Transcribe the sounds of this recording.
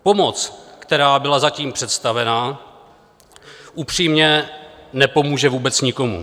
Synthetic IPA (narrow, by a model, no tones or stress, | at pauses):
po̞mo̞t͡skt̪ɛɾaːbɪlazaciːmpr̥ɛt̪st̪avɛna | ʔupr̝̥iːmɲɛnɛpo̞muːʒɛvuːbɛt͡sɲɪko̞mṵ